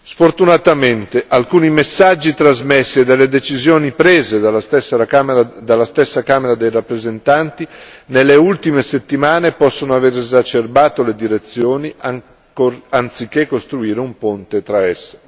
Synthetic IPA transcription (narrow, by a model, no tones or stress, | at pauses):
sfort̪unat̪ament̪eʔalkuːnimesːad͡ʒːit̪ɾazmesːied̪elːed̪et͡ʃizjoːnipɾeːzealssad̪alːast̪ɛsːakaːmeɾad̪ejrapːɾezent̪ant̪inelːeult̪imeset̪ːimaːnepɔsːonoaveɾezat͡ʃerbaːt̪oled̪iɾet̪sːjoːnia | oant̪sik̟ːekːost̪ɾuiːɾeumpont̪et̪ɾaɛsːḁ